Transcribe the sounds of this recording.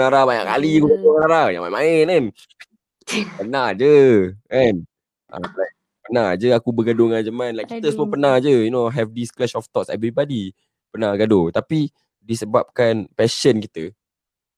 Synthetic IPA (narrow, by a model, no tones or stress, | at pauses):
naɾabaɲa̰ʔka̰likusət̪oŋanaɾajãmamaɪnɛn | pənahd͡ʒəʔɛn | ʔa̰lajk̚ | pənahd͡ʒəakubəɡadʊŋand͡ʒəmanlajʔkːit̪əsəməpənahd͡ʒəjunoɦɛfdisklɛʃɔft̪ɔtsɛ̰vɾibadi | pənaɡadot̪api | disəbap̚kanpɛʃənkit̪ə